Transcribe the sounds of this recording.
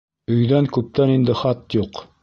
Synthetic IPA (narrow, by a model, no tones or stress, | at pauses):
ɵ̆jðæŋkʉp̚t̪ænind̪ɘχɑt̪juq